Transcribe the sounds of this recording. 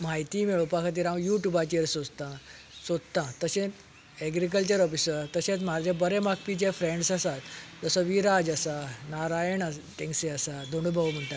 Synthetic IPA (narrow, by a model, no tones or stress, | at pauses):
majt̪iːmeɭupakʰat̪̬iɾãʋjuʈjubat͡ɕiɾsod͡zt̪ã | sod̪t̪ãt̪əsẽ | ɛɡɾik̬əlt͡ɕəɾɔfisəɾt̪əɕẽt͡sm̤aɾd͡ʑʱabəɾɛmak̚pit͡ɕefɾẽɳɖsasat̪d͡zəsɔʋiɾad͡ʑasanaɾajəɳaʈẽŋseasad̪ʱoɳubʱəʋm̤əɳʈ̪a